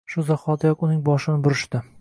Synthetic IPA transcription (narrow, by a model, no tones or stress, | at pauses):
ʃʊzaχɒt̪jɒkʊnɪŋbɒʃɪnɪbʊɾɪʃt̪ɪ